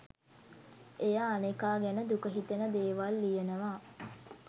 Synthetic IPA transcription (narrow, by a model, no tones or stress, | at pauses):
ejaːnekaːɡænəd̪ukəɦit̪enəd̪eːʋalːijenəʋaː